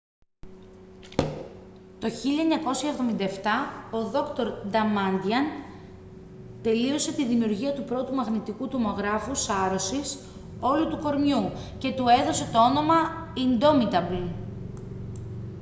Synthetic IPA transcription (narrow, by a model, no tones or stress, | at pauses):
t̪o̞çiʎɐeɲɐko̞sjɐevðo̞mind̪ɐeft̪ɐo̞ðo̞kt̪o̞ɾd̪ɐmɐnd̪iɐn | t̪e̞lio̞se̞t̪iðimiuɾʝiɐt̪upɾo̞t̪umɐɣnit̪ikut̪omo̞ɣɾɐfusɐɾo̞sis | o̞lut̪uko̞ɾmjuce̞t̪ue̞ðo̞se̞t̪o̞o̞no̞mɐind̪o̞mit̪ɐbli